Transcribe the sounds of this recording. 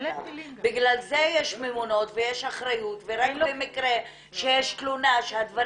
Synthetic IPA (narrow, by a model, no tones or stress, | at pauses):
biɡlalzejeʃmemuno̞tvejeʃaχɾajut̪veɾakloemikɾe | ʃejeʃtlunaʃead̪vaɾ